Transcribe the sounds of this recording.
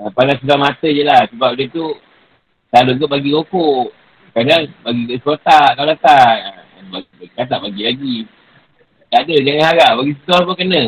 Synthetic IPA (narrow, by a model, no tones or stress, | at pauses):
əpanasulamat̪əd͡ʒəlahsəbap̚dət̪u | taluɡəʔbaɡikokoʔ | kadaŋbaɡiɡskot̪aʔkawlat̪aʔ | ba | akat̪aʔbaɡilaɡi | dadəd͡ʒaŋanhaɡaʔbaɡis̬it̪uapukənə